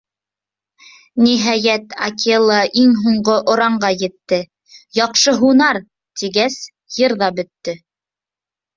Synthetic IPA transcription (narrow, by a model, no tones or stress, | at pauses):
niɦɑjæt̪akʲʰelˠɑʔiŋɦuɴɢoʔŏɾɑɴɢɑjɘ̆t̪ːɘ | jɑqʃɤɦunɑɾ | t̪iɡæs | jɤɾðɑbɵ̆t̪ːɘ